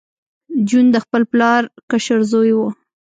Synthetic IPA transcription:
d͡ʒund̪əxpəlplɑɾkaʃaɾzojwə

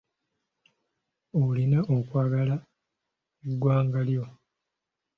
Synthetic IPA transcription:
olinaʔokwaːɡala | eɡwaːŋɡaljo̞

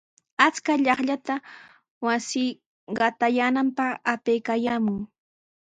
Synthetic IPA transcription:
at͡skaʎɑχʎat̪a | wasɪː | ɢɑt̪ajaːnampɑχapejkajaːmʊŋ

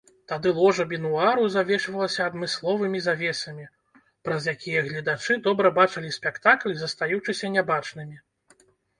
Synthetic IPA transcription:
t̪ad̪ɨlˠɔʐɐbʲɛnuaɾuzavʲɛʂvɐlˠɐsʲɐːd̪mɨslˠɔvɨmʲizavʲɛsɐmʲi | pɾɐzjakʲijɐɣlʲɐd̪at͡ʂɨd̪ɔbɾɐbat͡ʂɐlʲisʲpʲɛkt̪aklʲzɐst̪ajuwt͡ʂɨsʲɐnʲabat͡ʂnɨmʲi

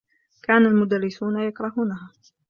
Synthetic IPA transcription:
kaːnalmʊd̪arːɪsuːnajakɾˤɑhuːnaɦaː

